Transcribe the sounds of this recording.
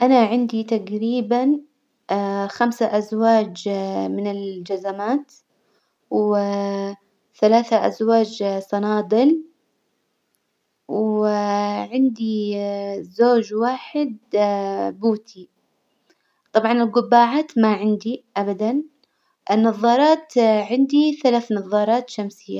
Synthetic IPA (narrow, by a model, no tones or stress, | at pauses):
ʔanaʕɪnd̪it̪aɡɾiːban | xamsaʔazwaːd͡ʒmɪnɪld͡ʒazamaːt̪ | w | θalaːθaʔa̰zwaːd͡ʒsˤɑnɑːd̪ˤɨl | w | ʕɪnd̪i | zoːd͡ʒwaːħɪd̪ | buːt̪ʰi | t̪ˤɑbʕɑnɪlɡʊbːaːʕaːt̪maʕɪnd̪iʔabad̪an | ʔɪnːɑðˤːɑːɾˤɑːt̪ʕɪnd̪iθalaːθnɑðˤːɑːɾˤɑːt̪ʃamsɪjːa